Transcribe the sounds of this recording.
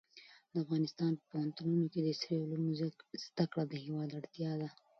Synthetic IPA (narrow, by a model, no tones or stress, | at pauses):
d̪əafɣɑnɪst̪ɑnpəpahant̪ununoked̪əsɾeulumzd̪̥akɽad̪əhewɑd̪aɽt̪jɑd̪a